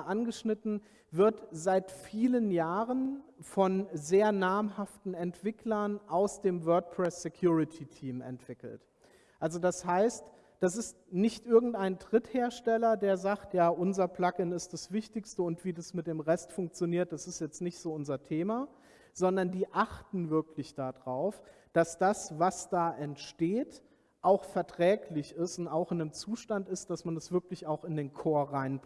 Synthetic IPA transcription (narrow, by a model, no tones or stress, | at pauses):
ʔanɡəʃnɪtn̩ | vɪɐtz̥aɪtfiːlənjaːʁənfɔnzeːɐnaːmɦaftn̩ɛntv̥ɪklɐnʔaʊsd̥eːmvœːɐt̚pʰʁ̥ɛsɛkʰjuːʁɪtʰitʰiːmɛ̰ntv̥ɪkl̩t | ʔalzodashaɪst | d̥as̬ɪstnɪçtʔɪɐɡŋ̩tʔaɪndʁ̥ɪtheːɐʃtɛlɐdeːɐzaːktjaːʔʊnzɐpl̥akɪnɪst̚d̥asv̥ɪçtɪçstəʊntv̥iːdasmɪt̚d̥eːmʁɛstfʊŋk̚t͡sjoniːɐt̚d̥asɪstjɛt͡stnɪçtz̥oːʊnzɐtʰeːma | z̥ɔndɐndiːʔaχtn̩vɪɐklɪçd̥aːdʁaʊfd̥asd̥asvasd̥aːʔɛntʃteːt | ʔaʊxfɛɐtʁ̥ɛːklɪçɪstʊntaʊxɪnəmt͡suːʃtantɪstd̥asmanɛsv̥ɪɐklɪçaʊxɪndeːnkʰoːɐʁaɪnb